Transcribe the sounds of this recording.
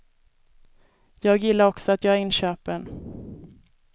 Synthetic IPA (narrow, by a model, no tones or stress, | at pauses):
jɑːɡjɪlːaɾɔksɔat̪jɑːɡæɾɪnɕøːpən